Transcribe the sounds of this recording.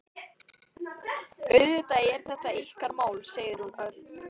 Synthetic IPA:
œɥðʏt̪aɛɾ̥θɛht̪aihkaɾmaːwlseːjðɪɾ̥hunœ

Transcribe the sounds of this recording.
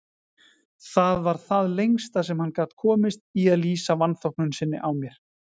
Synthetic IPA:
θaðvaɾ̥θaðlejŋst̪as̬ɛmhanːkaːt̪kʰɔːmɪst̪̚iaðliːsavanːθɔwhknʏnsɪnːɪ̰ʔawmjɛɾ̥

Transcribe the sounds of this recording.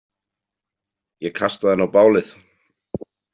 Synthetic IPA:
jɛkʰast̪aðɛnːawpaːwlɪθ

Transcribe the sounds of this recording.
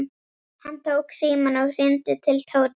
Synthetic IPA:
hant̪ʰowksiːmanaɣɾ̥ɪnt̪ɪt̪ʰɪlt̪ʰoːw

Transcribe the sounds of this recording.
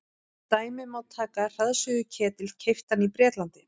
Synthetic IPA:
t̪aːjmɪmaːwt̪ʰːaːkar̥aðsʏɣʏcʰɛːt̪ɪlcʰejft̪anipɾjɛːt̪lant̪ɪ

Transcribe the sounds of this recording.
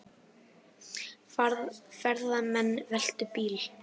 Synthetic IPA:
fafɛɾðamɛnːvɛl̥t̪ʏpiːl

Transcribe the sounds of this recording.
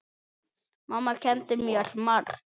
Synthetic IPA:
mamːacʰɛnt̪ɪmjɛɾ̥mar

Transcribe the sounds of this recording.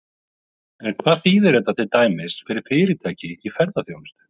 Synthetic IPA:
ɛnkʰvaːðθiːðɛɾɛt̪at̪ʰɪlt̪aːjmɪsfɪɾɪɾ̥fɪːɾɪt̪ʰaːjcɪifɛɾðaθjowmɪ̥st̪ʏ̥

